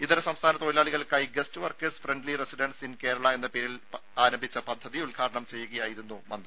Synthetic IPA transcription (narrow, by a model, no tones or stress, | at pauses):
it̪ːɐɾɐsɐmst̪ʰaːnɐt̪oːjilaːɭiɣɐɭkɐjɡɐstɨʋɐrkːɐsfreɳɖliresiɖɐɳɖsinke̞ːɾɐɭɐe̞nːɐpeːɾilaːɾɐmbʱit͡ɕːɐpɐd̪ʱːɐðiulɡʰʱaːɾɐɳɐmt͡ɕe̞jːuɣɐjaːjiɾunːumɐnd̪r